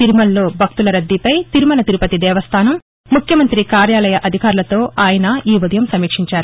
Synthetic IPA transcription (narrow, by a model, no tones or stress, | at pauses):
t̪iɾumɐlːo̞ːbʱɐk̚t̪ulɐɾɐd̪ːipɐjt̪iɾumɐnɐt̪iɾupɐt̪id̪ɛːʋɐst̪ʰaːnɐmː | ukʰjɐmɐnt̪ɾikaːɾjaːlɐjɐʔɐd̪ʱikaːɾulɐt̪o̞ːʔaːjɐnɐiːʋɐd̪ɐjɐmsɐmiːkʂiɲt͡ʃaːɾu